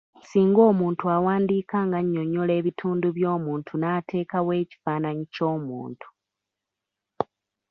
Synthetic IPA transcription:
siːŋɡo̞ːmuːntuawaːndiːkaŋɡaɲːo̞ɲole̞ːβitʰuːnduβjo̞ːmuːntʰunaːtʰe̞ːkawe̞ːci̥faːnaɲico̞ːmṵːntʰu̥

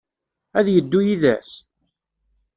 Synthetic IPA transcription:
æðjəd̪ːujiðæs

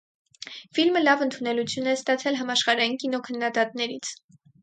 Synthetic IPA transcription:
filməlɑvənt̪ʰunɛlut͡sʰjunɛst̪ɑt͡sʰɛlɦɑmɑʃχɑɾɑjinkinɔkʰənːɑd̪ɑt̪nɛɾit͡sʰ

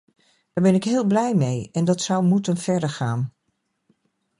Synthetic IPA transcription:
d̥aːɹbɛnɪkɦɪːlˠblɛjmejɛndɑtsʌwmutənv̥ɛɹdəɹχaːn

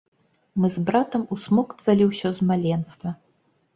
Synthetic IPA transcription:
mɨzbɾat̪ɐmusmɔkt̪valʲiwsʲɔwzmalʲɛnst̪vɐ

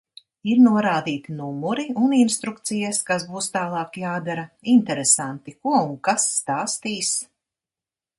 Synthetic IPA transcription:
iɾnuɔɾaːd̪iːt̪inumuɾiuninst̪ɾukt̪sijaskasbuːst̪aːlˠɑːkjaːd̪aɾaint̪ɛɾesant̪ikuɔuŋkasːt̪aːst̪iːs

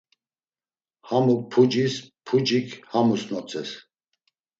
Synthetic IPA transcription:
hamupʰud͡ʒispʰud͡ʒikʰhamusnɔt͡sʰʼɛs

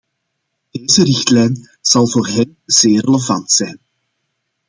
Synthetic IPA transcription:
d̥eːzərɪxtlɛjn | z̥ɑlˠvoːrɦɛn | z̥eːreləvɑntsɛjn

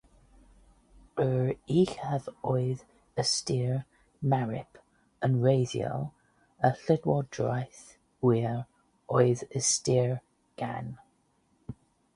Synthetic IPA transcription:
əɹiːxavɔjð | əstɪːɹ | maɹɪ̰pʰ | ənɹejðjɔ̰lˠ | əɬɪdwɔdɹajθ | wiːɹ | ɔjðəstɪːɹ | ɡ̥an

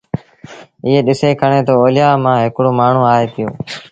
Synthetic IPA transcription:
ɪɦeːɗɪseːkʰəɳ̃eːt̪oːoːlɪjaːmãːɦɪkɽoːmaːɳ̤ũːaːɦeːp̪ɪjo̰ː

